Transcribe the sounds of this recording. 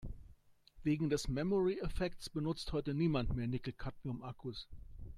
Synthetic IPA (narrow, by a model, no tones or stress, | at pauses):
veːɡŋ̩dɛsmɛmɔʁiɛfɛktt͡sb̥ənʊt͡sthɔʏtəniːmantmeːɐnɪkl̩kʰatmiʊmʔakʰus